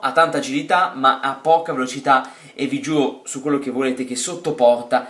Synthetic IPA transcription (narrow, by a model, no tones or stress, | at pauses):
at̪ːant̪aːd͡ʒilit̪amaʔapːɔːkavelot͡ʃit̪a | evid͡ʒuːɾosukːwelːok̟evːoleːt̪ek̟esːot̪ːopɔrt̪a